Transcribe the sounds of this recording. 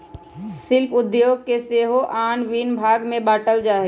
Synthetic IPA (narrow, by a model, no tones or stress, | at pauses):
sɪlpʰʊd̪joːɡ̚keseːɦoʔaːnʋiːnbʱaːɡmẽbaːʈəld͡ʒaːɦɛ